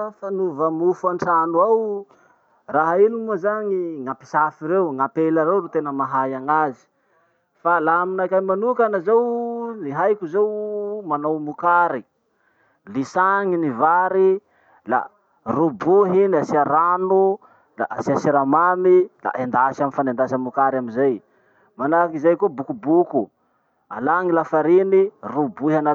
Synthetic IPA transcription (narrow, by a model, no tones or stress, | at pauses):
fanuvəmufaɳʈ͡ʂanuaw | raɦainimuzaŋiŋapi̥safiɾewŋapelaɾewɾet̪enəmaɦajaŋazi̥ | falaaminakajmanukanazawniɦajkʲuzewmanawmukaɾi | lisaŋinivaɾi | la̰ | rubuɦiniasiaɾanu | laʔasiasiɾamamila̰ʔend̪asaminfanend̪asamukaɾaminzaj | manakizajkobukubuku | a̰laŋilafaɾinirubuɦiana